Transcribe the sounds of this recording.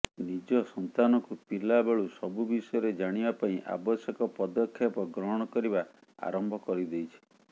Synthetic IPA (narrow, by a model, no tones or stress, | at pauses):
nid͡ʒɔsɔnt̪anɔkupilabaɭusɔbubisɔjɔɾed͡ʒaɽ̃ibapaĩʔa̰bɔsjekɔpɔd̪ɔkʰːjapɔɡɾɔɦɽ̃ɔkɔɾiba | a̰ɾɔmbʱɔkɔɾid̪ejt͡ʃʰi̥